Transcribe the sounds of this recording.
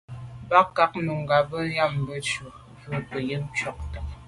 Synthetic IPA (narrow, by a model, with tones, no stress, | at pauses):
ba˦ka˦k̚nu˨ŋ̩˨ɡa˨bə˦ja˦˨m˨bə˦t͡ʃu˨ | və˦˨pə˨jə˦m̩˦t͡ʃɥɔ˦˨k̚tə˨